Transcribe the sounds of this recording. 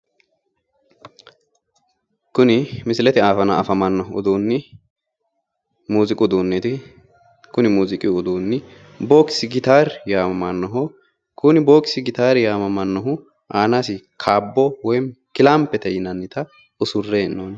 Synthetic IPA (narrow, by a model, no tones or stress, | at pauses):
kʊnɪmɪsɪlɛt̪ɪaːfɐnɐɐfɐmɐnːɐhʊ̰d̪oːnːɪ | muːzɪkʼʊd̪oːnːɛt̪ɪ | kʊnɪmuːzɪkʼɪʊd̪oːnːɪ | boːkɪsɪɡɪt̪aːɾjaːmɐmɐnːɐɦɔ | kʊnɪboːksɪɡɪt̪aːɾjaːmɐmɐnːɔɦʊ | ʔaːnasɪkʰaːbːɔwɔjkɪlaːmpːɛt̪ɛjɪnɐnːɪt̪ɐ | ʊsʊrːeːnːoːn